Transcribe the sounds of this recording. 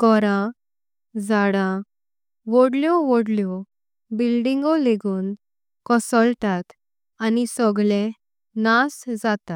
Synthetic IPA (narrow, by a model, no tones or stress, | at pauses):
kɔɾã | d͡zaɽã | ʋoɽljɔʋoɽljɔ | bilɖiŋɡɔleɡuːn | kɔsɔlt̪at̪ | anisɔɡle | nasd͡zat̪a